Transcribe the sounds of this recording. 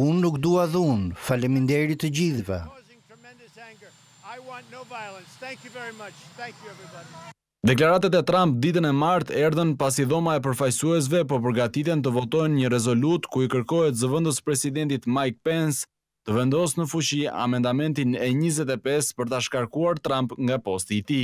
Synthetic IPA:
unːukd̪uaðunfaləmind̪ɛɾit̪əd͡ʑiðvɛ̰̃ | mɛ̃ndæ̃ŋɡə˞ | aɪwɑ̃nnoʊvajlˠə̃nsθæ̃ŋkjvɛɹimʌt͡ʃæ̃ŋkjɛvɹib | d̪ɛklaɾat̪at̪ɛt̪ɾamp̚d̪it̪ənɛmaɾt̪ɛɾðənpas̬iðɔmaɛp̬əɾfajsuɛs̬vɛp̬ɔp̬əɾɡat̪it̪ɛnt̪əvɔt̪ɔjnɲəɾɛzɔlut̪kuikəɾkɔɦɛt̪zəvənd̪əspɾɛsid̪ɛnt̪it̪majk̚pɛns | t̪əvɛnd̪ɔsnəfuʃia̰mɛnd̪amɛnt̪inɛɲizɛt̪ɛpɛspəɾt̪aʃkaɾkuaɾt̪ɾampŋɡapɔst̪iːt̪i

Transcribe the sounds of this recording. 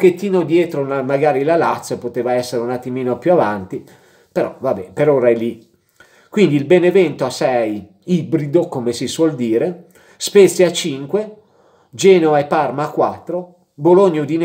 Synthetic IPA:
ket̪ːiːnod̪jɛːt̪ɾolamaɡaːɾilalat̪sopot̪eːvaɛsːeɾeunat̪ːimiːnopjuavant̪i | peɾɔvabɛpeɾoɾaɛli | kwind̪ilbenevɛnt̪oasɛj | ibɾid̪okomesiswɔld̪iːɾe | spet̪sjat͡ʃiŋkwe | d͡ʒɛːnovaepːarmakwat̪ːɾo | boloɲːod̪in

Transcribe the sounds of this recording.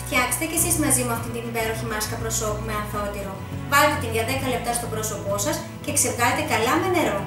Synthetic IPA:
ft̪çɐkse̥st̪ece̞sizmɐzimuɐft̪int̪inipe̞ɾo̞çimɐskɐpɾo̞so̞pume̞ɐnθot̪iɾo | vɐlet̪et̪inʝɐðe̞kɐle̞p̚t̪ɐst̪o̞bɾo̞so̞po̞sɐs | ce̞kse̞vɣɐlet̪e̞kɐlɐme̞ne̞ɾo̞

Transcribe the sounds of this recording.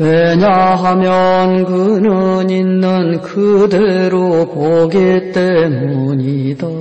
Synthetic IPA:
weɲaɦamjʌnkɯnɯninːɯnkɯd̪eɾopoɡit͈e̞muɲid̪a

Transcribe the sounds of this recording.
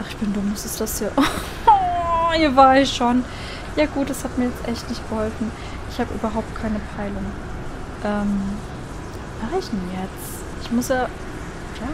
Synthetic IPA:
ʔaχɪçb̥ɪndʊmʊsɪstd̥asjaːʔ | hiːɐvaːɐɪçʃon | jaːɡuːt̚d̥ashatmiːɐjɛt͡stʔɛçtnɪçtɡ̥əhɔlfn̩ | ʔɪçhaːbəʔy̰ːbɐɦaʊp̚t̚kʰaɪnəpʰaɪlʊŋ | ʔɛːm | maːʁəɪçjɛt͡s | ʔɪçmʊsjaː | jaː

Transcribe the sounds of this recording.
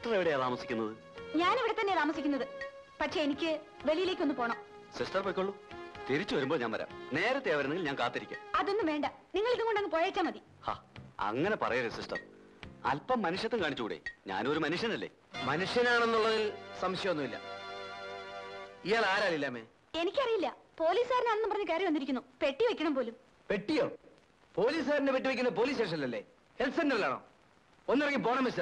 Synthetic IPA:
ʈɐreʋiɽe̞jɐðaːmɐsikʲːunːɐðɨ | ɲaːneʋiɽet̪ɐnːeðaːmɐsikʲːunːɐðɨ | pɐʈʂe̞enikʲːɨ | ʋelijileːkʲːo̞nːɨpo̞ːɳɐːm | sisʈɐrpokʲːoɭːut̪iɾit͡ɕːuʋɐɾumboɭɲaːnʋɐɾa̰ːmne̞ːɾɐt̪ːeɐʋɐɾenːeɡilɲaːnkaːt̪ːɐɾikʲːa̰ːmɐðo̞nːɨmʋe̞ːɳɖɐniŋːɐɭiðuŋkːoɳɖɐŋːipoɻɐːt͡ɕːaːmɐði | ha̰ːɐ̰ŋːɐne̞pɐrɐjɐɾesisʈɐ̰r | ɐ̰lpːɐmːɐnuʂjɐt̪ːekaːɳit͡ɕːukuːɽḛɲa̰ːno̞ɾumɐnuʂjɐnɐlːe̞̰ː | mɐnuʂjɐnaːɳe̞nːuɭːɐðilsɐmɕjɐɐonːuilːɐ̰ | ijaːɭaːɾaːlilːaːmeː | e̞nikʲːɐrijilːɐpo̞ːliːsaːɾinaːɳenːupɐrɐɲːɨke̞ːrɐjɐmɐnːiɾikʲːunːupe̞ʈːijʋɐkʲːɐɳɐmpo̞ːlum | pe̞ʈːijoː | po̞ːliːs̬aːɾinepiʈːɨʋikʲːunːɐp̬o̞ːliːs̬eːʂ̬ɐnilːɐlːe̞ː | helsɐnneʋɐlaːɳo̰ː | onːirɐŋːipo̞ːɳɐmisɐ

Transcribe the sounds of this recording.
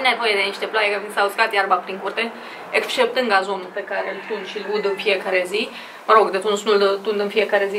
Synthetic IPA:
nevojed̪eniʃt̪eplajekafinsawuskat̪jaɾbapɾiŋkurt̪e | ekst͡ʃep̚t̪ɨŋɡazo̞nulpekaɾelt̪und̪ʃilud̪ɨnfijekaɾezi | məɾoɡd̪et̪unsnuld̪ət̪und̪ɨnfijekaɾezi

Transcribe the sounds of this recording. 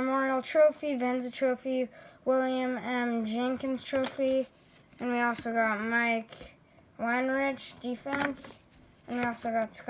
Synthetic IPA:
əmɔɹil̩ˠtʰɹ̥oʊfivɛ̃nzɨtʰɹ̥oʊfiwɪlˠjɨ̃mɛ̃md͡ʒɪ̃ŋkɨ̃nz̥tʰɹ̥oʊfi | ɨ̃nwiɔlˠsoʊɡɑt̚maɪk | wãnɹɪt͡ʃd̥ifɛ̃ns | ɨ̃nwiɔlˠsoʊɡɑtsk

